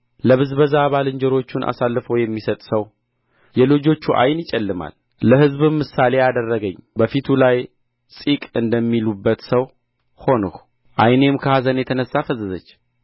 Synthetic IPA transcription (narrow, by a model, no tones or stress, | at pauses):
ləβɨzbəzaːβalɨɲd͡ʒɛɾo̞t͡ʃːunʔa̰salːɨfəwjɛmːisət̪ʼsəw | jɛlod͡ʒo̞t͡ʃːuʔa̰jnjɪt͡ʃʼɛlːɨma̰lː | əhɨzβɨmːɨsale̞ad̪ərːəɡəɲːbəfit̪ʰulaj | sʼikʼɨnd̪əmːilubːət̪səw | ho̞nəh | ʔajne̞mkʰəhazənjɛt̪ʰənəsːafəzəzət͡ʃː